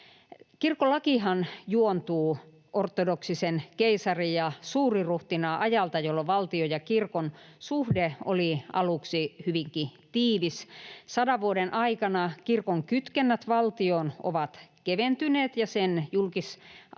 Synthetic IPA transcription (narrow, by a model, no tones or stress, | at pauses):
kirkolːɑkihɑnjuont̪uː | ʔort̪ːˑodoksisenkeisɑrijɑsuːriruht̪inɑʔɑjɑlt̪ɑjolːoʋɑlt̪iojɑkirkonsuhdeo̰liɑluksihyʋiŋkit̪iːʋissɑdɑʋʋuodenʔɑikɑnɑkirkoŋkyt̪kenːæt̪ʋɑlt̪ioːno̰ʋɑt̪keʋent̪yneːt̪jɑsenjulkis